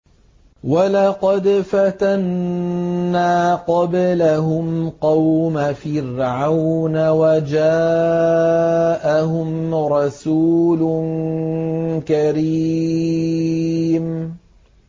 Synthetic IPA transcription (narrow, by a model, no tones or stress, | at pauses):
walɑqɑd̪fat̪anː | aːqɑblaɦʊmqɑwmafɪrʕawnawad͡ʒaː | ʔaɦʊmɾˤɑsuːlʊn | kaɾi | m